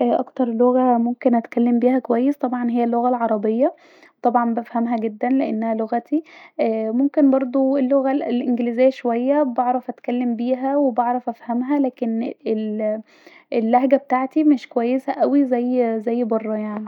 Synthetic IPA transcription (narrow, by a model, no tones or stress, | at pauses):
ʔʔɑ̰kt̪ɑɾˤloɣæmomkenʔæt̪kælːembiːhækowæjːest̪ˤɑbʕɑnɦejːælːoɣælʕɑɾˤɑbejːæ | t̪ˤɑbʕɑmbæfhæmɦæɡed̪ːænleʔenːæhæloɣæt̪ʰiʔæːmomkenbɑɾˤd̪ˤoelːoɣæelʔenɡelizejːæʃowæjːæbɑʕɾˤɑfʔæt̪kælːembiːɦæwebɑʕɾˤɑfʔæfhæmɦælæːkenel | elːæhɡæbet̪aʕt̪imeʃkowæjːesæʔæwizæjːzæjːbɑrˤːɑjaʕni